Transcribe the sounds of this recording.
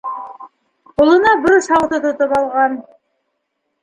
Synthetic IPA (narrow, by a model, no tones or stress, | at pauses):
qulˠɤ̆nɑbɘɾsɑwt̪ɤt̪ŏt̪ɤpɑlˠʁɑn